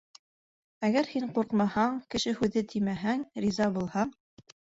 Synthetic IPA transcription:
æɡæɾhiɴquɾqmɑhɑɴkɘ̆ʃɘhʉðɘt̪ʰimæɦæŋɾizɑbulˠhɑɴ

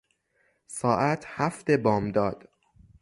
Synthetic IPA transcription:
sɒːʔæt̪ʰhæft̪e̞bɒːmd̪ɒːd̪̥

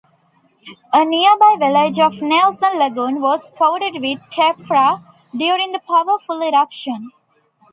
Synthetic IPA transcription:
əniəbaɪʋɪled͡ʒɔʋnelsə̃nləɡũːnʋɔːzkãʊʈɪɖʋɪd̪̚ʈʰepɾa | ɖjuːɾɪ̃ŋd̪əpaʋəɾfʊlɪɾʌpʃə̃n

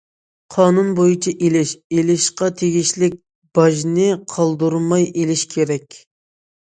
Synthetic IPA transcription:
qʰɑːnunbojut͡ʃʰɑʔelɪʃelɪʃqɑt̪ʰeɡʲiʃlɪk̚ʲ | b̥ɑʒnɪqʰɑlˠd̪uɾmɑjʔelɪʃkʲʰeɾɛkʲ

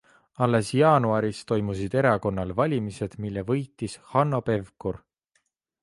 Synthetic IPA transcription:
ɑlːe̞sjɑːnuɑɾist̪o̞jmusid̪̥e̞ɾɑko̞nːɑlvɑlʲimise̞d̪̥milːevɤjt̪ːˑishɑnːo̞pe̞vkur

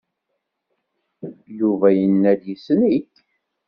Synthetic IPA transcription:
juvæjənːæd̪jisəniç

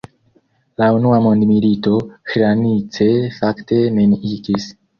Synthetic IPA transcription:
launuamondmilito̞kɾanit͡se̞faktʰe̞meniɡis

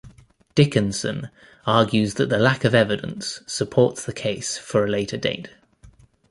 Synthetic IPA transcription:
d̥ɪkə̃nsə̰̃n | ɑːɡjʉzðəʔðəlakəvɛvɪdə̰̃nsəpʰɔˑtsðəkʰeɪsfəɹəleɪtʰədḛɪt

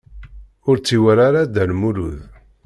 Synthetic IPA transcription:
ʊɾt͡sːiwəɾaɾad̪ælmuɾṵð

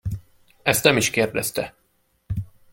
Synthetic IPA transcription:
ɛst̪nɛmiʃkeːrd̪ɛst̪ɛ

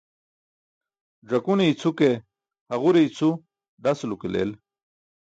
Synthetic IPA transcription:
ʐɐkuneit͡sʰuke | haɣuɾeit͡sʰu | ɖ̪aslukelḛːl

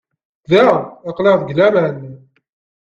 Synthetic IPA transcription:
ðæʁɑqleʁðɡlæmæn

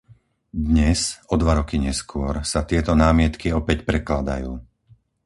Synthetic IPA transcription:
d̪ɲɛzɔd̪ʋaɾɔkiɲɛskʊɔɾsat̪ɪɛt̪ɔnaːmɪɛt̪kiɔpɛcpɾɛklad̪a̰juː

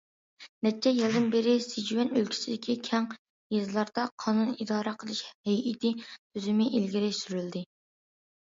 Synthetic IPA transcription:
nɛt͡ʃʰːɛjilˠd̪ɨnbeɾɪsed͡ʒwɛnølkʲʰi̥sɪd̪ɪkʲikʲʰɛŋ | jezlˠɑɾd̪̥ɑqʰɑːnunid̪ɑːɾɨqʰəlˠɨʃhɛjʔit̪ʰɪt̪ʰøzɪmɪʔilɡʲiɾɪʃsyɾyld̪ɪ

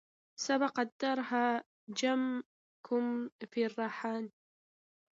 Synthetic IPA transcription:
sabɑqɑd̪ɑɾˤɦa | d͡ʒam | kʰʊmfirˤːɑːħaːn

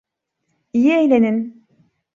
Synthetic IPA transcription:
ijiejlʲenin

